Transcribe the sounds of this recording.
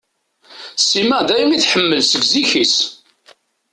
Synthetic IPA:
siməʁd̪æjumiθħəmːəlsəɡziçis

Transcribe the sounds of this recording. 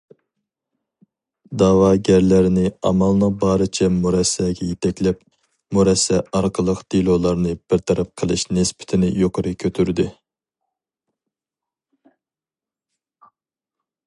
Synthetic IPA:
d̪ɑːwɑːɡʲæɾlæɾɪnɪɑ̰mɑlˠnɨbɑːɾɨt͡ʃʰɛmuɾɛsːɛɡʲɛjet̪ʰɛkʲlɛp | muɾɛsːɛɑɾqʰəlˠəqd̪̥ilˠolˠɑɾnɨb̥ɪɾt̪ʰɑɾɑp̚qʰəlˠɨʃnɪspɪ̥t̪ʰɪnɪjoqʰəɾɨkʲʰøt̪ʰyɾd̪ɪ

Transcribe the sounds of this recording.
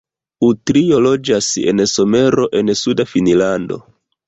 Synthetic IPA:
utɾio̞lo̞d͡ʒasḛnso̞me̞ɾo̞ʔe̞nsudafinilando̞̰

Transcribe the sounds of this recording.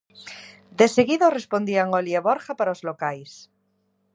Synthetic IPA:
d̪eseɣiðorespond̪iaŋoljeβoɾχapaɾaozlokajs

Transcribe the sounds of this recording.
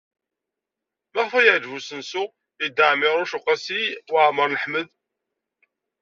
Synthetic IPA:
mæχfæjəʕd͡ʒvusənsʊ | id̪ːaʕmɪʁɾʊʃuqːæsiwʕməɾˤnəħməð

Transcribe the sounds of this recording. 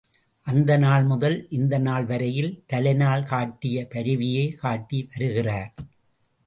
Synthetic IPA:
ʔɐnd̪ɐnaːɭmʊðɐlʔɪnd̪ɐnaːɭʋɐɾɐjɪlt̪ɐlɐɪnaːɭkaːʈːɪjɐpɐɾɯʋɪjeːkaːʈːiʋɐɾɯɣɪraːɾ

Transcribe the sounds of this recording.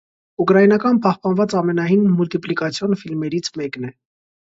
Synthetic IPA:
ukɾɑjinɑkɑnpɑhpɑnvɑt͡sɑmɛnɑjinmult̪iplikɑt͡sʰjɔnfilmɛɾit͡sʰmɛknɛ

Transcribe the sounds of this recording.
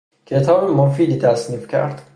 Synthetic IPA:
cʰet̪ʰɒːbemɒfiːd̪iːt̪ʰæsniːfcʰæ̰ɾd̪̥

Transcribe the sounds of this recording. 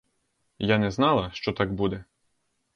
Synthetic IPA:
janɛznɑlˠɐʃt͡ʃɔt̪ɑɡbud̪ɛ

